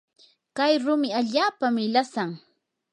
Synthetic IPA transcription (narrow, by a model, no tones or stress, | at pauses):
kajɾʊmɪaʎaːpamɪlasaŋ